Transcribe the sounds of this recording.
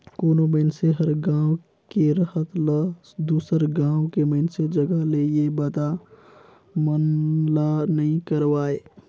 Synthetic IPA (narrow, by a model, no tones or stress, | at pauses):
koːnoməɪnseɦəɾɡãːw̃ | keɾəhət̪lə | d̪uːsəɾɡãːwkeməɪnsed͡ʒəɡəɦlejebət̪a | mənlanɐɦĩkəɾʋaːeː